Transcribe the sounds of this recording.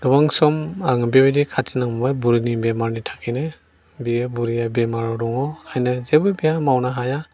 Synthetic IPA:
dɔbaŋsɔmaŋbebidikʰatʰinaŋmɔbajbuɾinibemaɾnitʰḁkʰine | biebuɾijabemaɾɔɾɔŋɔkʰajnazebɯbijamawnaɦaja

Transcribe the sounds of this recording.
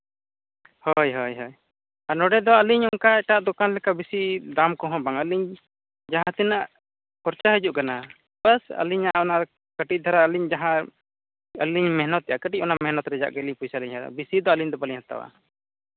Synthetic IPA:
hɔjɦɔjɦɔj | anɔɖɛd̪ɔəliɲɔŋkaɛʈaʔd̪ɔkanlɛkabisid̪amkɔɦɔ̃baŋəliɲ | d͡ʒaɦãt̪ɛnaʔ | pɔɾt͡ʃaɦəd͡ʒuʔkana | bəsə̰liɲaʔɔna | kəʈic̪̚d̪ʱaɾaəliɲd͡ʒaɦã | əliɲmɛɦnɔt̪ːɛʔakəʈic̚ʔɔnamɛɦnɔt̪ɾɛd͡ʒa̰ʔɡəlipujsaliɲɦad̪ɔ̰bisid̪ɔəliɲd̪ɔbəliɲhat̪a̰wa̰

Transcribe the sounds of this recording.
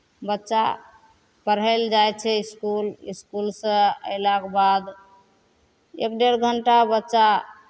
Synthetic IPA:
bətːʃa̰ | pəɾɦəld͡ʒajt͡ʃʰɛiskuliskulsə̃ə̰jlakbad̪ | ḛkɖeɾɡʱəɳʈabətːt͡ʃa

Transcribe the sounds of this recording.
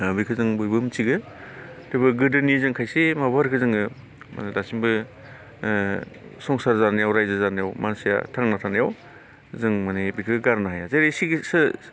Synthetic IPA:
bikʰɯzɯŋbujbɯmt͡ʃiɡɯ | dɯbɯɡɯdɯnizɯŋkʰajsemabaɾkʰɯzɯŋɯ | ma̰nidasimbɯ | sɔŋsaɾzanajawɾajzazanajawmansija̰tʰaŋnatʰanajaw | zɯŋmanibikʰɯɡɡaɾnaɦajazeɾesiɡsɯ

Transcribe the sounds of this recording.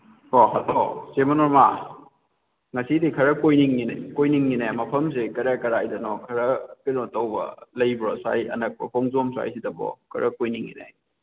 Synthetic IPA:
hoɦɐtɔsemɐnɔɾma | ŋɐsidikʰɐɾɐkojniŋːinakojniŋːinamɐpʰɐms̬ekɐɾakɐɾajdɐnɔkʰɐɾɐkiɾɔtɐwbɐ̰lɐjbɾɔsa̰jɐ̰nɐk̚pɐ̰kʰɔŋzomsa̰jsidɐbɔ̰kʰɐɾʔɐkojniŋːḭna̰j

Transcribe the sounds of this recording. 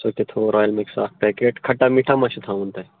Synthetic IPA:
soːk̪et̪ʰoːɾɔːjəlmeksa̰ːkpɛːkeːʈkʰɐʈːamiʈʰamãʃut̪ʰaũnt̪a

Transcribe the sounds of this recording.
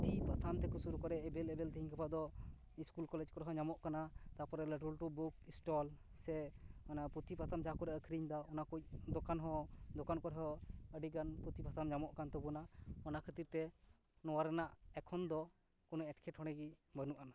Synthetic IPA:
ppt̪ʰipat̪ʰamt̪ɛkusuɾukɔɾɛɛbɛlɛbɛlt̪əɦiɲkapad̪ɔ | iskulkɔlɛd͡ʒkɔɾɦɔɲamɔʔkanat̪apɔɾɛləʈulʈubukisʈɔl | sɛɔnaput̪ʰipat̪ʰamd͡ʒakuɾɛəkʰɾiɲd̪ɔɔnakuc̚d̪ɔkanɦɔ̃d̪ɔkankɔɾɦɔəɖiɡanput̪ʰipat̪ʰamɲamɔʔkant̪ɔbunaɔnakʰət̪iɾt̪ɛ | nɔwaɾɛnaʔɛkʰɔnd̪ɔ | kɔnɔɛʈkʰɛʈhɦɔɽ̃ɛɡibənuʔana

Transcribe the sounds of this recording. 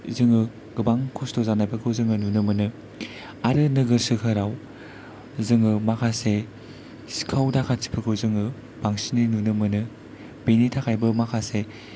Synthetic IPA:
zɯŋɯ | ɡ̥ɯbaŋkʰɔstozanajpʰɯkʰɯwzɯŋɯnunɯmɯnɯ | aɾɯnɯɡɯɾsɯkʰɯɾaw | zɯŋɯmakʰase | si̥kʰawdakʰat͡ʃi̥pʰɯkʰɯwzɯŋɯ | b̥aŋsininunɯmɯnɯ | benitʰakʰajbɯmakʰase

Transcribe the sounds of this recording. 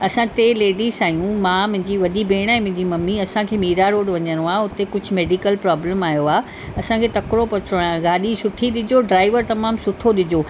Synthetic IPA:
ɐsãt̪eleːɖizaːjũmãːmʊ̃ɦɪ̃̆d͡ʑiːʋɐɗibeːɽ̃aːɪ̃mɪ̃d̪imɐmːiɐsãkʰeːmiːɾaɾoːɽʋɐɲə̃ɾoaːʊt̪ekʊd͡ʑʱʊ̆meːɖikəlpɾaːbləmaːjoaː | ɐsãkʰeːt̪ɐkɾopɐt͡ɕoɽãɡaːɗisʊʈʰiɗɪd͡ʑoɖɾaːɪʋəɾt̪ɐmaːmsʊʈʰoɗɪd͡ʑoː

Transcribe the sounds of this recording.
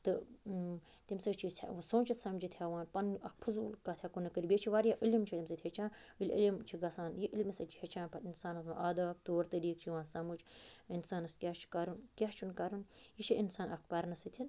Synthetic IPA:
t̪ɨ | t̪imsɐt͡ʃʰissõːnt͡ʃʰit̪sɐmd͡ʒit̪ʰʲaːʋaːnpɐnɐk̚pʰɨzuːlkat̪ʰʲakunɨkəɾʲibet͡ʃʰiʋaːɾjaʔəlimt͡ʃʰit̪ʲimsɐt̪ʰʲet͡ʃʰãːnɨlʲḭlʲimt͡ʃʰiɡɐsaːnjiʔilmisɐlt͡ʃʰi̥het͡ʃʰaːnpʰɐt̪insaːnɐt̪aʔɐːd̪aːb̚t̪oːɾt̪ɐɾiːkt͡ʃʰiʋãːnsɐmud͡ʒinsaːnɐskʲjaːt͡ʃʰi̥kɐɾunkʲaːt͡ʃʰunkɐɾɨnjit͡ʃʰiʔinsaːnɐk̚pɐɾnɐsit̪ʰin

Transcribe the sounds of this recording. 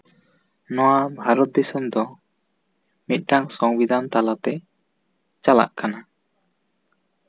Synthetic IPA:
nɔwabʱaɾɔt̪̚d̪isumd̪ɔ | mit̪̚ˀʈaŋsɔŋbid̪ʱant̪alat̪ɛ | t͡ʃala̰ʔkana

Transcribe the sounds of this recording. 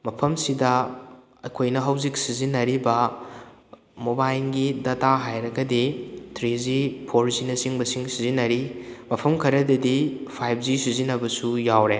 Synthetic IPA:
mɐpʰɐmsidɐ | ɐkʰojnɐɦɐwzik̚sizinːɐɾibɐ | mobajlɡidɐtaɦajɾɐɡɐditʰɾizipʰoɾzinɐsiŋbɐsiŋsizinɐɾimɐpʰɐmkʰɐɾɐdɐdipʰajp̚ʰzisizinɐbɐsujawɾe

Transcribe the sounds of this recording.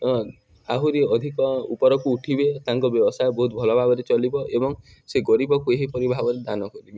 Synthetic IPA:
aɦuɾiɔd̪ʱikɔupɔɾɔkuːʈʰibet̪aŋkɔbjɔbɔsajbɔɦut̪̚bʱɔlɔbʱaɡɔɾet͡ʃɔlibɔʔebɔŋ | seɡɔɾibɔkueɦipɔɾibʱabɔɾed̪anɔkɔɾibe

